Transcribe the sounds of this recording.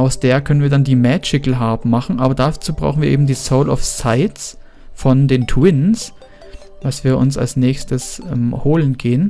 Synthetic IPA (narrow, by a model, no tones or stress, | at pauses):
ʔaʊsd̥eːɐkʰœnənviːɐdandiːmɛːt͡ʃɪkl̩ɦaɐpmaχn̩ʔaːbɐdat͡suːbʁa̰ʊxn̩viːɐʔeːbm̩diːsoʊlɔ̰fsaɪts | fɔndeːntʰwɪns | vasv̥iːɐʔʊ̰nsa̰lsnɛːçstəsʔɛmhoːlənɡeːən